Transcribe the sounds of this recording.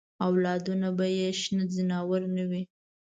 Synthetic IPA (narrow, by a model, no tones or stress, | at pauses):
awlɑd̪unabajeʃnəzɪnɑwəɾnawi